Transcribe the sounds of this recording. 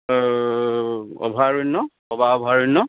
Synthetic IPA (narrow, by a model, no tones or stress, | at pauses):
ɔ̰bʱaɹunːɔ | ɔbaɔbʱaɹunːɔ